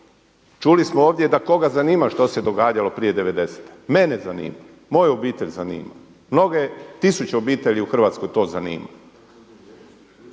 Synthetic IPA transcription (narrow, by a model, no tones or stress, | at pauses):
t͡ʃulismooːʋd̪ʲje̞d̪ako̞ɡazaniːmaʃt̪o̞se̞d̪o̞ɡaːd͡ʑalo̞pɾije̞d̪eʋe̞d̪e̞se̥t̪e̥menezanḭːma | mo̞jobiːt̪eʎʲzanḭːma̰ | mno̞ɡet̪isut͡ɕeobiːt̪e̞ʎʲiuxr̩ʋat̪sko̞jt̪o̞ːzanḭːma̰